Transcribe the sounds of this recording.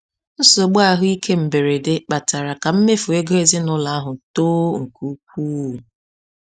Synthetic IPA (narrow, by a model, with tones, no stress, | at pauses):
n̩˦so˨ɡ͡ba˦˨ɦʊ˦i˦kʰe˦m̩˨be˨ɾe˨de˦k͡pa˨ta˨ɾa˨ka˨m̩˦me˦fʊ˨e˦ɡo˦e˦zɪ˦nʊ˦la˦a˦ɦʊ˨toː˦ŋ̩˨ku˦k̚ʷu˦˨